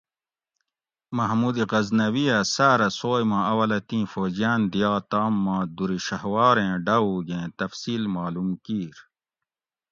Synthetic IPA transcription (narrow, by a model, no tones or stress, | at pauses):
mɐɦmuːd̪iɣɐznɐwijasaːɾɐsoːjmãɐwɐlɐt̪ĩːfoːd͡ʑijaːnd̪ijaːt̪aːmːãːd̪uɾiɕɐɦwaːɾẽːɖɐuɡẽːt̪ɐfsiːlmaːlumkiːɾ